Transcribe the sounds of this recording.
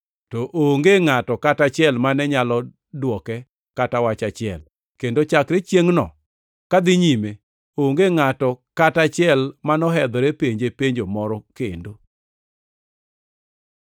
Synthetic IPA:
tɔʔoŋɡeŋatɔkatat͡ʃɪɛlmanɛɲalɔ | dwɔkɛ | katawat͡ʃat͡ʃɪɛ̰l | kendot͡ʃakɾet͡ʃjeŋnɔ̰ | kad̪ɪɲime | oŋɡeŋatɔkatat͡ʃɪɛlmanɔɦɛd̪ɔɾepeɲd͡ʒepeɲd͡ʒomɔɾɔkendo

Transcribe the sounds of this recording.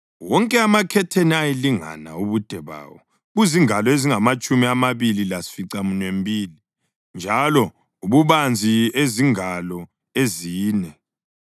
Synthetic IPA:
wɔŋkʼɛamakʰɛtʰeniajeliŋa̰na̰uβud̥ʱɛβa̰ːwɔ | ɣuziŋalɔeziŋamat͡ʃʼumiamaβililasi̥fiǀamunwembʱiːli | nd͡ʒʱalɔ | uβuβand͡zʱieziŋalɔ | eziːnɛ

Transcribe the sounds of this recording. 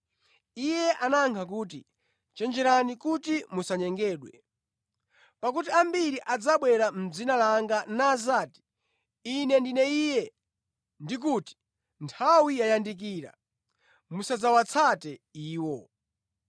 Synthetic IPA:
ijɛʔanaŋkʰak̬uːt̬i | t͡ʃɛnd͡ʒɛɾanikutimusaɲɛŋɡɛːɗwɛ̰ | pakut̬iambiɾiʔad͡zaɓwɛɾam̩d͡zinalaŋɡanaːzaːti̥ | inɛndinɛijɛ | ndik̬uti̥ | ntʰawijajandik̬iːɾa̰ | musad͡zawat͡sʰatɛiːwɔ

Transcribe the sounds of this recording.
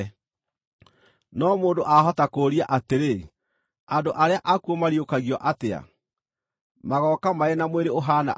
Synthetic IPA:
nɔmoːndoʔaɦɔtakoːɾiaʔateɾe | andoʔaɾeaʔakuomaɾiokaɣiɔʔatea̰ | maɣɔkamaenamweɾeoɦana̰

